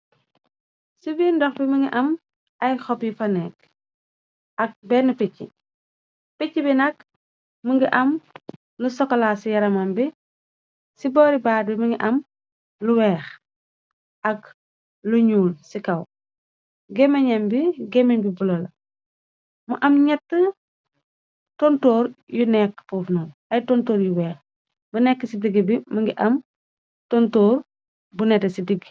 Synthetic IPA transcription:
sibiːndɔxbiməŋɡiʔɐm | ɐjxɔpjifɐnɛk̚ | ɐk̚bɛnupicːḭ | picːibinɐk | məŋɡiʔɐm | lusɔkːlasijɐɾɐmɐmbi | sibɔːɾibaːɾ̚biməŋɡiʔɐm | luwɛːx | ʔɐk | luɲuːlsikɐw | ɡɛmɐɲɐmbiɡɛmiɲbibulɐlɐ | muʔɐmɲɛtːə | tɔntɔːɾjunɛkːfoːfnɔnɐjtɔntoːɾjuwɛːx | bunɛkːəsidiɡibimɐŋɡiʔɐm | tontɔːr | bunɛtɐsidiɡ

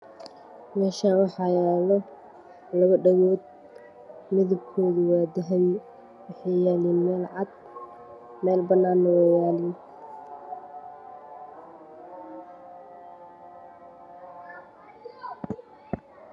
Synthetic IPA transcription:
mɛːʃaːnwɑħɑːjɛːlɔ | lɐɣɐɖɐɣɔːd̪̚ | mɪðɐb̚kʰɔːðʊwaːd̪ɪɦɛj | wɑħɑjjɛːliːnmɛːlʕɑd̪ | mɛːlbɐnaːnːɐwɑjaːlɪn

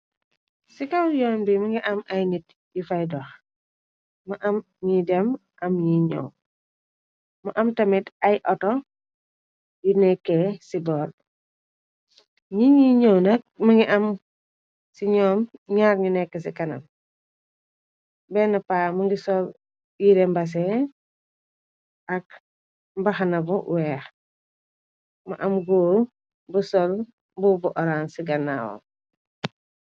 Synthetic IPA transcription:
sikɐwjɔmbimɐŋɡiʔɐmɐjnit | jifajdɔx | mɐʔɐm | ɲidɛmʔɐmɲiɲɔ̰w | mɐʔɐmtɐmitɐjʔɔtɔ | jinɛkːɛsidɔːl | ɲiɲiɲɔwnɐk̚mɐŋɡiʔɐm | siɲɔːmɲaːɾɲunɛkːəsikɐnɐ̰m | bɛnɐpaːmɐŋɡisɔl | jiɾɛmbɐs̬ɛ | ɐk̚ | mbɐxanɐbuwɛːx | mɐʔɐmɡoːɾ | busɔl | bubuʔɔɾansiɡɐnːa̰w̰

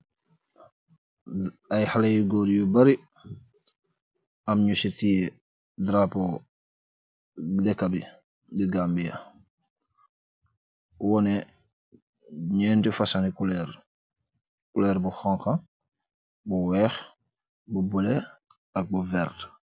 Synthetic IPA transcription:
ajhalejuɡɔɾjubɐɾi | ɐmɲusitije | dɾapo | dɛkːabi | diɡaːmbijɐ̰ | wɔnɛ | ɲɛːntifɐsanikulɛɾ | kulɛɾbuxɔŋka | buwɛːx | bubulɛ | ɐk̚buvɛɾt

